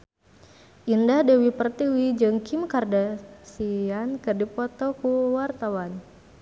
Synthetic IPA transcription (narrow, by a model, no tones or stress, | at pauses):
ʔindahdewipərt̪iwid͡ʒɨŋkimkardasiankɨrdipɔt̪ɔkuwart̪awan